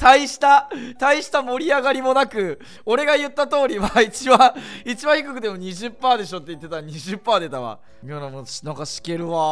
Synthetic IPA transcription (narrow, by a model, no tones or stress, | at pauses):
t̪aiɕi̥t̪at̪aiɕi̥t̪amo̞ɾʲiaɡaɾʲimo̞nakɯ̟ | o̞ɾe̞ɡajɯ̟t̪ːat̪o̞ːɾʲiβait͡ɕiβait͡ɕiβãçikɯkɯ̟d̪e̞mo̞ɲ̟iʑɨpːaːd̪e̞ɕo̞t̪ːeit̪ːe̞t̪aɲ̟iʑɨpːaːd̪e̞t̪aβa̰ | mʲionamoɕnãŋkaɕi̥ke̞ɾɯ̟βa